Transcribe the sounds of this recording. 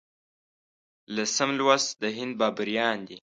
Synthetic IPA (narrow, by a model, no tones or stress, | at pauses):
lasəmlwasd̪əɦɪnd̪̚bɑːbəɾjɑːnd̪i